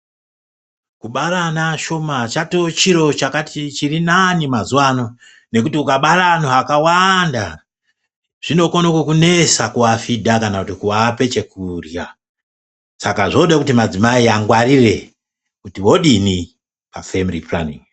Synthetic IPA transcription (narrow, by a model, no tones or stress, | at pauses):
kuɓaɾanaʃo̞mat͡ʃatot͡ʃiɾo̞t͡ʃakatit͡ʃirinanimazuwano̞ | ne̞kutiukaɓaɾanoakawanda | ʐ̥ino̞konokokune̞sakuwafidʱakanakutikuape̞t͡ʃe̞kurja | sakaʐo̞ɗakutimad͡zimaiaŋɡwarire̞ | kutiwo̞ɗini | pa̰femriplanḭŋ